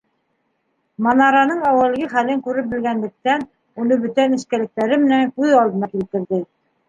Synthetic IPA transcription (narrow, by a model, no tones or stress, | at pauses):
mɑnɑɾɑnɤɴɑwɤ̆lɡɘχælɘŋkʉɾɘp̚bɘ̆lɡænlɘ̆k̚t̪æn | unɤbɵ̆t̪ænɘ̆ʃkælɘ̆k̚t̪æɾɘmɘ̆næŋkʉðɑlˠd̪ɤ̆nɑkilt̪ɘ̆ɾðɘ